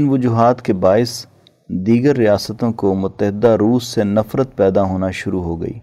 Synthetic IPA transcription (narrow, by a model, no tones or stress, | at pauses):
ɪnʋʊd͡ʒuːɦaːt̪kebaːɪs | d̪iːɡəɾːɪjaːsət̪õkomʊt̪ːəɦɪd̪aɾuːsːenɐfɾət̪pɛːd̪aɦoːnaʃʊɾuɦoːɡɐ̰ḭː